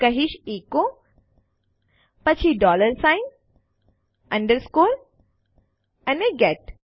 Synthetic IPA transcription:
kɐɦiʃeːko | pɐt͡ʃʰiɖɔːləɾsajn | ɐ̃ɳɖəɾskoːɾ | ɐneɡɛʈ

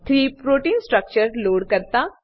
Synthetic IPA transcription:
t̪ʰɾiːpɾoʈiːnsʈɾək̚t͡ɕəɾloɽkəɾt̪a

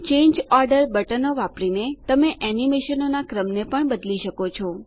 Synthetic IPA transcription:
t͡ʃẽɲd͡ʒɔɾɖəɾbəʈənoʋapɾinet̪əmeʔɛnimeʃənonakɾəmnepəɳbəd̪liʃəkot͡ʃʰɔ

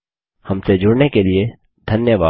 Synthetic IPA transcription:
hɐmsed͡ʒʱʊɽnekelie | d̪ʱɐnjəʋa̰ː

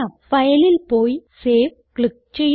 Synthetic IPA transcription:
afɐjɐlɪlpoːjseːʋ | kɭɪk̚t͡ɕɛj

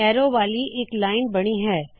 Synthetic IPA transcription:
ɛːɾoʋaːliʔeːklaːɪnbɐɽ̃iɦɛː

